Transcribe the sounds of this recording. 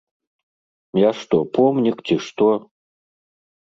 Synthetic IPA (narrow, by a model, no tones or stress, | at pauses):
jaʂt̪ɔpɔmnʲikt͡sʲiʂt̪ɔ